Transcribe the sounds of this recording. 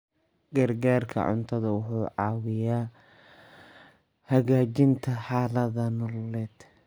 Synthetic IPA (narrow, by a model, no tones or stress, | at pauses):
ɡɐrɡaːrkʰɐ̰ʕʊ̰nt̪ʰɐðɐwʊħuːʕɑːwɪjaː | hɐɣaːt͡ʃɪnt̪ʰɐħɑːlɐðɐnɔllɛːd̪̥